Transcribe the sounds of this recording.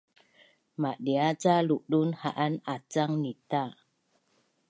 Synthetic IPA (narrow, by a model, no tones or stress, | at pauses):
maʔɗiat͡saluʔɗunhaʔanat͡saŋnit̪a